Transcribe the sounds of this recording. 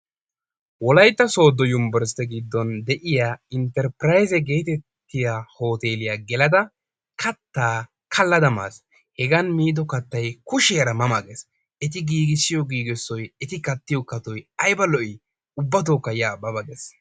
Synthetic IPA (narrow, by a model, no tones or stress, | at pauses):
wɔlɐjt̪ːɐso̞ːd̪ːɔjʊmbɛɾst̪ɛɡid̪ːɔnd̪ɛʔɪjaːɪnt̪ɛɾpɾɐjzɛɡe̞ːt̪ɛt̪ːɪjaːho̞ːt̪e̞ːlɪjaɡɛlɐd̪ɐ | kʰɐt̪ːaː | kʰɐlːɐd̪ɐma̰ːs | hɛɡɐnmiːd̪ɔkɐt̪ːɐjkʊʃeɐɾɐmɐmɐɡes | ɛt̪̬ɪɡiːɡɪsːɪjɔɡiːɡɛsːɔjɛt̪ɪkɐt̪ːɪjɔkɐt̪ɔjɐjbɐlɔʔɪ | ʊbːɐt̪̬oːkːɐjɪjaːbɐbɐɡɛs